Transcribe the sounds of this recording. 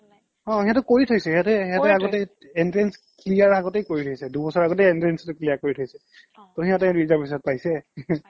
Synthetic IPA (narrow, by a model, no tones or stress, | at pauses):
ɔ̃iɦãtʊkoɹitʰojsɛɦatɛiɦatɛaɡɔtɛ | ɛntɹɛnsklijaɹaɡɔtejkoɹitʰojsɛdubɔsɔɹaɡɔtɛɛntɹɛnstʊklijakoɹitʰojsɛ | tɔɦiɦãtɛɹizabis̬ɔt̚pajsɛ